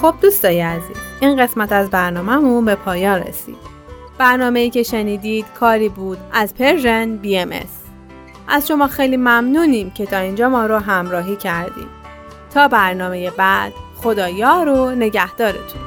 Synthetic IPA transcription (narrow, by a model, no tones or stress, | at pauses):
xo̞b̚d̪ust̪ɒːjeæzḭːziːnɢe̞smæt̪æzbæɾnɒːmæmunbe̞pʰɒːjɒːnrḛsḭːd̪̥ | b̥æɾnɒːme̞iːce̞ʃeniːd̪iːd̪̥kʰɒːɾiːbuːd̪ʔæzpʰe̞ɾʒenbiːemḛs | ʔæzʃo̞mɒːxe̞jliːmæmnuːniːmcʰe̞t̪ʰɒːind͡ʒɒːmɒːɾoɦæmɾɒːɦiːcʰæɾd̪ḭːm | t̪ʰɒːbæɾnɒːme̞je̞bæd̪̥χo̞d̪ɒːjɒːɾone̞ɟæhd̪̥ɒːɾet̪ʰun